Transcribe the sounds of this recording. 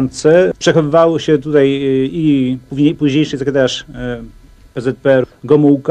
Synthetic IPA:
nt̪sɛpʂɛxɔvɘvawɔɕɛt̪ut̪ajipuɲpuʑɲejʂɘzakɛd̪aaʂ | pɛzɛt̪̚pɛɾɡɔmuwk

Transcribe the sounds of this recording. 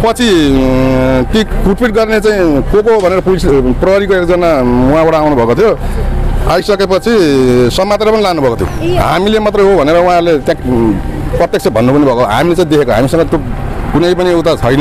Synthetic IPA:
pʌt͡sʰi | t̪ipuʈpiʈ̚ɡʌrnet͡sãĩkokoɦobʱʌneɾʌpulisprʌɦʌɾikoekd͡zʌnamuabaɽaawnubʱʌkot̪ʰjo | ajsʌkepʌt͡sʰisʌmːat̪ɾapʌnilaɡnubʱʌkot̪ʰjo̰ɦa̰milemat̪rʌjɦobʱʌneɾʌũɦãɾulet̪jã | prʌt̪jekt͡sʰʌbʱʌnːubunebʱʌkoɦa̰milet͡saĩd̪ekʰekoɦa̰misʌŋɡʌt̪jo | ɡunʌjpʌniewt̪at͡sʰʌjnʌ

